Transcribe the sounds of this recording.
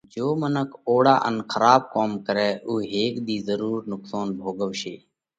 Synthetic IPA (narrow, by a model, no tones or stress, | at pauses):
d͡ʒoːmənəkʰoːɽaːʔə̰nxʰəɾaːb̚koːmkəɾɛːʔuːɦeːkd̪iːzəɾuːɾnʊksaːnbʱoːɡəʋʃeː